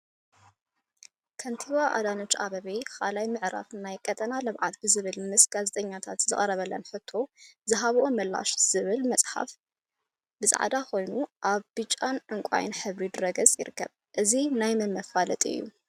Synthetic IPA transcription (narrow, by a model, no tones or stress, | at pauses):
kʰɐnt̪ʰiβaʔa̰d̪ano̞t͡ʃːaβɐβijkʰa̰lajmɨʕɾa̰fnajkʼɐt̪ʼɐnalɐβʕat̪bɨzɨβɨlmɨsɡ̥azet̪ʼɐɲːat̪ʰat̪zɨχʼɐɾɐβɐlːɐ̰nħɨt̪ʰːo̞zɨɦaβʔo̞mɐlːa̰ʃz̥ɨβɨlmɐt͡sʼħa̰f | bɨsʼa̰ʕd̪akʰo̞jnuʔaβbɨt͡ʃʼːanʕɨŋkʷʼa̰jɪ̰nħɨβɾid̪ɨɾɐɡɐt͡sʼjɪ̰ɾɨkʰːɐ̰β | ʔɨzinajmɨmːɐfalɐt̪ʼiɨ̰jːṵ